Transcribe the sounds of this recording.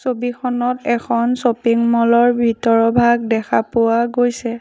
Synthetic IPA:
sobikʰɔnɔtɛkʰɔnsopiŋmɔlɔɹbʱitɔɹɔbʱaɡ̚dɛkʰapʊwaɡojsɛ

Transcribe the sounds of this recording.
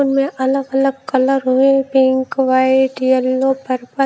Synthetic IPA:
nmẽʔɐləɡɐləɡ̚kɐləɾɦoepɪ̃ŋkʋaːeɖijəlːopɐɾpɐ

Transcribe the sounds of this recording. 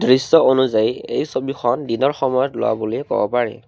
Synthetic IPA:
dɹisːɔonuzajiejsobixɔndinɔɹxɔmɔjɔtlʊ̰wa̰boloɛkɔ̰bɔpaɹɛ̰

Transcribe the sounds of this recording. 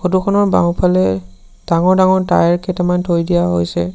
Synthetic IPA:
xodukʰɔnɔɹba̰wpʰalɛ | d̥aŋɔɹdaŋɔɹtajɹkʰɛtɛmantʰojdijaɦojsɛ̰

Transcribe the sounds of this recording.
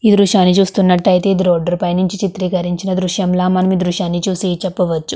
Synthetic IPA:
iːd̪ɾuʂaːnit͡ʃuːst̪unːɐʈːɐjit̪e̞ːd̪ɾoːɖɐɾupɐjnuɲt͡ʃit͡ʃit̪ɾiːkɐɾiɲt͡ʃinɐd̪ɾuʂjɐmlaːmɐnɐmid̪ɾuʃjaːnːit͡ʃuːsiːt͡ʃɛpːɐʋɐt͡ʃːu

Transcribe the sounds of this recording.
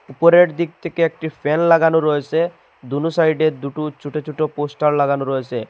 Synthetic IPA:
upoɾeʈd̪ik̚t̪ʰekeek̚ʈipʰenlaɡanuɾɔɦesʰe | d̪unusajɖeɾd̪uʈut͡ʃʰuʈot͡ɕʰuʈoposʈaɾlaɡanuɾɔesʰe

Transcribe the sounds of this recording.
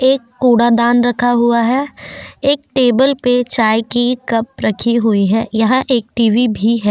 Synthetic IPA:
eːkːoːɽad̪aːnɾɐkʰaɦuaɦɛeːk̚ʈeːbəlpet͡ʃaːjkikɐp̚ɾɐkʰiɦʊiɦɛːjɐɦãʔeːk̚ʈiːʋibʱiɦɛː

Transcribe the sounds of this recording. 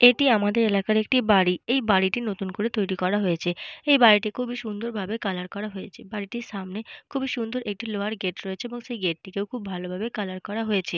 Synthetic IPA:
eʈiamad̪eɾelakaɾek̚ʈibaɽiejbaɽiʈinot̪unkoɾet̪ojɾikɔɾaɦojet͡ɕʰeejbaɽiʈikʰubiʃund̪ʱoɾbʱabekalaɾkɔɾaɦoet͡ɕʰebaɽiʈiɾʃamnekʰubiʃund̪ʱoɾek̚ʈiloaɾɡeʈɾoet͡ɕʰeeboŋʃejɡeʈ̚ʈːikewkʰubːʱalobʱabekalaɾkɔɾaɦojet͡ɕʰe

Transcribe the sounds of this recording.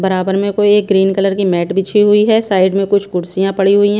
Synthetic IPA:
bɐɾaːbəɾmẽkoieːk̚ɡɾiːnkələɾkimɛːʈbɪt͡ʃʰiɦʊiɦɛːsaːɪɖmẽkʊt͡ʃʰkʊɽsɪjãpɐɽiɦʊiɦɛ̃

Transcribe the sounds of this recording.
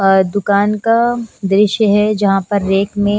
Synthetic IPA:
d̪ʊkaːnkad̪ɾɪʃjəɦɛd͡ʒɐɦãpɐɾːeːkmẽ

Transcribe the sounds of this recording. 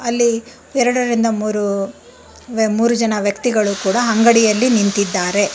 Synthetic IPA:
ɐlːi | ɛɾɐɽɐɾind̪ɐmuːɾu | muːɾud͡ʒɐnɐʋjɐkt̪iɡɐɭukuːɽɐɦɐŋɡɐɽijɐlːinint̪id̪ːaːɾe̞

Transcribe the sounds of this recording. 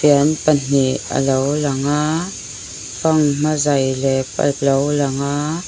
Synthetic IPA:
pianpən̥iʔə̰lowlaŋa | faŋm̥azajlɛpa̰l̚lowlaŋa

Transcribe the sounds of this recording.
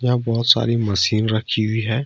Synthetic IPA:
jãbɔːt̪sa̰ːɾimɐsiːnɾɐkʰːiɦʊiɦɛː

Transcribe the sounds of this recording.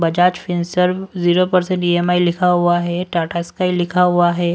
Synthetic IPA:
bəd͡ʒat͡ʃfinsəɾziɾopəɾsẽɳʈiemailikʰaɦuaɦɛʈaʈʰaskailikʰaɦuaɦɛ

